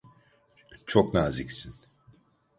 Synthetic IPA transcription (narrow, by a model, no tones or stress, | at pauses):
t͡ʃʰoknaːzicsin